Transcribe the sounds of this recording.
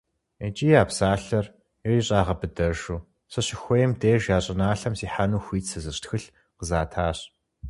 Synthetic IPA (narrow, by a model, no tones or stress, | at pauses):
et͡ʃʼiːapsaːɬɐr | eriɕʼaːʁɐbɨdɐrʃuː | ɕɐɕɪxʷejmdeːʒjaːɕʼɪnaːɬɐmsiːħanuːxʷiːtsɐzɨɕtxɨɬ | qəzaːtʰaːɕ